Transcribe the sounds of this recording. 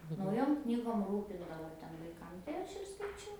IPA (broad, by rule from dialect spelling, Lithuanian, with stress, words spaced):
nɐʊˈjoːm ˈknʲiːɡoːm ˈruːpʲɪndɐʋoː ˈtʲɛn ʋɐɪˈkɐm tɐɪ ˈɐʃ ɪr skɐɪˈt͡ʃʲɛʊ